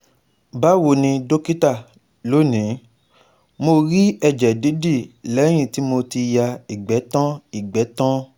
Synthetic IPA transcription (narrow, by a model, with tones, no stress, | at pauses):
ba˦wo˨nĩ˧do˦ki˦ta˦˨ | lo˨˦nĩ˨˦ | mo˧ɾi˦ɛ˧˨d͡ʒɛ˨di˨˦di˦˨lɛ˨˦j̃ĩ˦˨ti˨˦mo˧ti˧ja˧i˨ɡ͡bɛ˨˦tã˦i˦˨ɡ͡bɛ˨˦tã˦